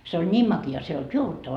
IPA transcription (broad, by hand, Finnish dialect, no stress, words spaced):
se olʲ nʲiːm mɑkiɑ se ei olt juoʋutːɑʋɑː